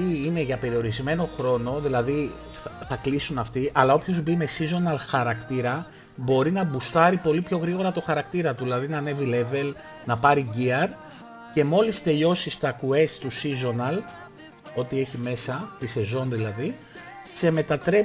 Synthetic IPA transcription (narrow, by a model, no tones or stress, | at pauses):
iineʝɐpe̞ɾio̞ɾizme̞no̞xɾo̞no̞ðilɐði | θɐklisunɐft̪iʔɐlɐo̞pço̞zbime̞sizo̞nɐlxɐɾɐkt̪iɾɐ | bo̞ɾinɐbust̪ɐɾipo̞lipço̞ɣɾiɣo̞ɾɐt̪o̞xɐɾɐkt̪iɾɐt̪uðilɐðinɐne̞vile̞ve̞l | nɐpɐɾiɟiɐɾ | ce̞mo̞list̪e̞ʎo̞sist̪ɐkue̞st̪usizo̞nɐl | o̞t̪ie̞çime̞sɐt̪ise̞zo̞nðilɐði | se̞me̞t̪ɐt̪ɾe̞